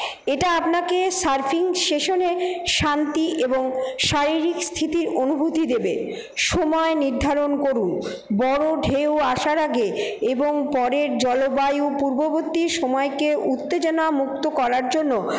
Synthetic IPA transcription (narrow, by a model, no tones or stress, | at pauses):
eʈaapnakesaɾfʰiŋʃeʃoneʃant̪iʔeboŋʃaɾiɾikst̪ʰit̪iɾonubʱut̪id̪ebe | ʃɔmɔeniɾd̪ʱaɾonkoɾun | bɔɾoɖʱewaʃaɾaɡeeboŋpɔɾeɾd͡ʑɔlobajupuɾbobot̪ːiɾʃɔmɔekeʔut̪ːed͡ʑonamuk̚t̪okɔɾaɾd͡ʑonːo